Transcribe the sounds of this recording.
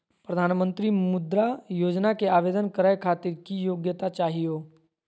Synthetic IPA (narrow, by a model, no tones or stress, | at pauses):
pɾəd̪ʱaːnmə̃nt̪ɾimʊd̪ɾajoːd͡ʒnakeaːʋeːd̪ənkəɾaːjkʰaːt̪ɪɾkijoːɡjət̪at͡ʃaːɦijoː